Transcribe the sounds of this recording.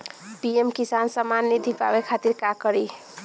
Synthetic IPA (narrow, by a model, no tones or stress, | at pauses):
piemkisansəmanːid̪ʱipa̰bekʰat̪iɾkakəɾi